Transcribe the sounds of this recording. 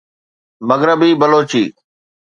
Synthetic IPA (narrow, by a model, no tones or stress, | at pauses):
məɡɾəbiːbəloːt͡ʃiː